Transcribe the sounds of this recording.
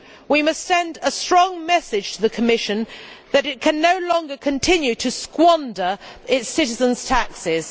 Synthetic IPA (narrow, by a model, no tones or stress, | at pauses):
wimʌstsɛ̃ndəstɹ̥ɒ̃ŋmɛsɪd̥ʒ̥tʰəðəkʰəmɪʃɨ̃nðɨɾɪt̚kʰɨ̃nːəʊlɒ̃ŋɡəkʰə̃ntʰɪ̃njʉtʰəskwɒ̃ndəɹɪtsɪɾɪzə̃nz̥tʰaksɪz̥